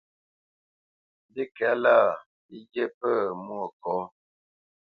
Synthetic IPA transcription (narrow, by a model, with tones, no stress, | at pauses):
di˦kɛ˨˦la˦˨ | i˦d͡ʒe˦pə˦˨mu˦o˨kɔ˨˦